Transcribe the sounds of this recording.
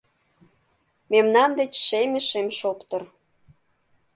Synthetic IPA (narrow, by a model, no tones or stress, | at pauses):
memnɑnd̪et͡ɕʃemʲĕʃemʃopt̪ɤr